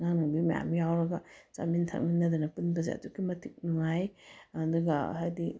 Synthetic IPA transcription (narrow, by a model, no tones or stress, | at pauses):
ŋanubimɐja̰mjawɾɐɡɐza̰mintʰa̰k̚ninːɐd̪unɐpunpʰɐza̰tukːimɐtʰik̚nuŋajɐduɡɐ̰ɦajdi